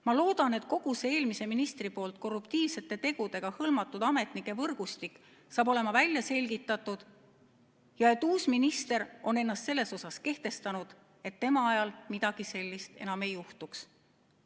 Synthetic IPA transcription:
mɑlo̞ːd̪̥ɑne̞t̪ko̞ɡ̥usee̞ːlmise̞minist̪ripo̞ːlt̪̚ko̞rupt̪iːvse̞t̪ːˑe̞t̪e̞ɡ̥ud̪e̞ɡ̥ɑhɤlmɑt̪ːˑud̪̥ɑme̞t̪nikːˑe̞vɤrɡ̥ust̪ikːˑ | sɑːbo̞le̞mɑvælʲːjɑse̞lɡit̪ːˑɑt̪ːˑud̪̥ | jɑe̞t̪ːuːsminist̪e̞ɾo̞ne̞nːɑst̪se̞lːe̞so̞sɑske̞ht̪e̞st̪ɑnud̪̥ | e̞t̪ːe̞mɑɑjɑlmid̪̥ɑɡ̥ise̞lʲːist̪e̞̰nɑme̞juht̪uks

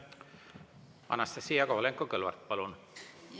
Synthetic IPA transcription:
ɑ̰nɑst̪esiːɑkohleŋkːokølʋɑ̰rt̪̚pɑlun

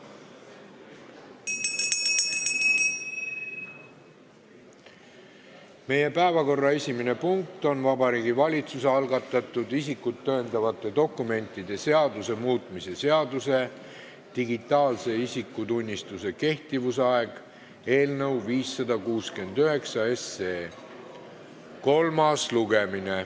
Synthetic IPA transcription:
me̞je̞pæevɑko̞rːɑe̞sʲimine̞puŋk̚t̪o̞nvɑbɑɾiːɡivɑlʲit̪suseɑlɡɑt̪ːˑɑt̪ːˑud̪isikːˑut̪ːø̞ːnd̪̥ɑvɑt̪ːˑe̞d̪o̞kːˑume̞nʲt̪ˑːid̪̥e̞se̞ɑd̪use̞muːt̪ˑmise̞se̞ɑd̪use̞ | t̪iɡit̪ˑːɑːlse̞isikːˑut̪unʲːist̪use̞ke̞ht̪ivusɑe̞ɡ̥ | e̞ːlnɤwviːsːɑd̪̥ɑkuːske̞nd̪yɦe̞ksɑe̞seː | ko̞lmɑsluɡemine

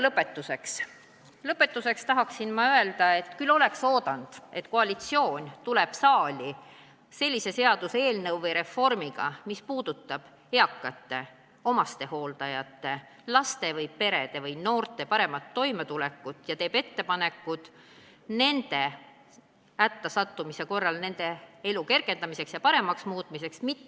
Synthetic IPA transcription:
lɤpːˑe̞t̪ːuse̞ks | lɤpːˑe̞t̪ːˑuse̞kst̪ɑɦɑksinmɑøe̞ld̪ɑe̞t̪ːˑkylːo̞le̞kso̞ːd̪ɑnd̪̥e̞t̪koɑlit̪sio̞ːnʲt̪uleb̥sɑːlʲi | se̞lʲːise̞se̞ɑd̪̥usee̞ːlnɤwvejɾe̞fo̞rmiɡ̥ɑ̰mispuːd̪̥ut̪ːˑɑb̥ | e̞ɑkːˑɑt̪ːe̞ | o̞mɑst̪e̞ho̞ːld̪̥ɑjɑt̪ːe̞ | lɑst̪e̞vɤjpe̞ɾe̞d̪̥e̞vɤjno̞ːrt̪ˑe̞pɑɾe̞mɑt̪ːo̞jmet̪ulɛkːˑut̪ːˑjɑt̪e̞ːbe̞t̪ːe̞pɑne̞kːˑud̪̥ | ne̞nd̪e̞ | æt̪ːɑsɑt̪ːumise̞ko̞rːɑlne̞nd̪e̞e̞luke̞rɡe̞nd̪ɑmise̞ksjɑpɑɾe̞mɑksmuːt̪̚ˑmise̞ksmit̪ːe

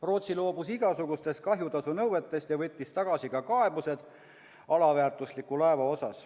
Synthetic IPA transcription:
ro̞ːt̪silo̞ːbusiɡ̥ɑsuɡ̥ust̪e̞st̪kɑɦjut̪ɑsunɤwve̞t̪ːˑe̞st̪jɑvɤt̪ʲːist̪ɑɡ̥ɑsikɑkɑe̞buse̞d̪̥ | ɑlɑvæːrt̪ˑuslikːˑulɑe̞vɑo̞sɑs

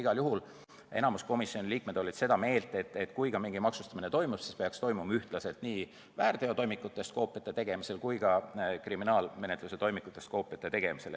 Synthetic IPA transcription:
iɡ̥ɑljuɦul | e̞̰nɑmusko̞misjo̞nʲiliːk̚me̞d̪̥o̞lʲid̪̥se̞d̪ɑme̞ːlt̪ˑet̪ːˑet̪ːˑkujɡɑmiŋɡimɑksust̪ɑminet̪o̞jmussispe̞ɑkst̪o̞jmumɑyht̪lɑse̞lt̪niː | væːɾd̪̥e̞ot̪o̞jmikːˑut̪ːˑe̞st̪ko̞ːpːˑiɑt̪ːˑet̪e̞ɡ̥e̞mise̞lkujɡɑkriminɑːlme̞ne̞t̪ˑluse̞t̪o̞jmikːˑut̪ːˑe̞st̪ko̞ːpːˑiɑt̪ːˑet̪e̞ɡ̥e̞mise̞l

